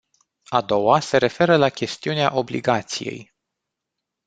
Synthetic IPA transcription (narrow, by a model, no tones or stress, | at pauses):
ad̪o̞wase̞ɾe̞fe̞ɾəlakʲe̞st̪iunea̰ʔo̞blḭɡat̪sije̞̰j